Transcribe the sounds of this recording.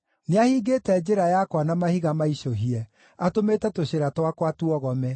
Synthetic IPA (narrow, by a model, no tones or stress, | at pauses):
neahiːɡetɛd͡ʒeɾajakwanamahiɣamaiʃoɦiɛ | atometɛtoɕeɾatwakwatuɔɣɔmɛ